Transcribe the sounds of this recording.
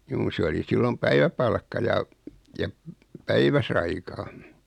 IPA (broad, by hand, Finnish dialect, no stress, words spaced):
juː se oli silːom pæiʋæpɑlkːɑ jɑ jɑ p pæiʋæsɑikɑːn̞